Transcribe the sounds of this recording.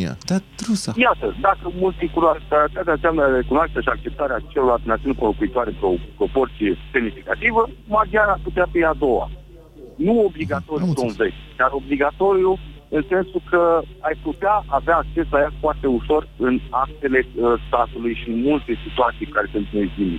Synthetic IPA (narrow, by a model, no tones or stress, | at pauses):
a̰d̪ad̪ɾusajat̪əd̪akəmult̪sikunoakaɾət̪at̪eanseamnəɾe̞kunoaʃt̪aʃiak̚t͡ʃe̞p̚t̪aɾeat͡ʃeloalt̪enat̪iunkolokuit̪oaɾepɾopɾo̞po̞rt̪sijese̞mnifikat̪ivəmad͡ʒianajput̪eafijad̪o̞wa̰ | nuo̞bliɡat̪o̞ɾijusonvet͡ʃʲd̪aɾo̞bliɡat̪o̞ɾju | ɨnse̞nsukʰəajput̪eaʔaveaːk̚t͡ʃe̞sajafoart̪e̞uʃo̞rɨnak̚t̪e̞le̞əst̪at̪ulujʃiɨnmult̪e̞sit̪uat̪sijkaɾe̞sɨnt̪nezd̪imi